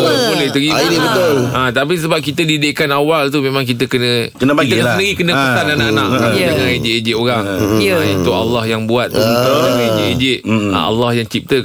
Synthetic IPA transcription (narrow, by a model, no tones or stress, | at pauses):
bolɛht̪əɡiaibət̪ʊlət̪ap̬is̬əbap̚kit̪ədideʔkanawalt̪umẽmãŋk̬it̪əkənə̃kənəpait̪əsənəɡikənəpəananaʔana̰ʔad͡ʒaŋãned͡ʒɪʔed͡ʒɪʔoɾaŋəint̪ʊka̰lːahjaŋbuat̪̚ənt̪əed͡ʒʔed͡ʒɪʔ̚a̰a̰lːahjaŋt͡ʃip̚t̪ə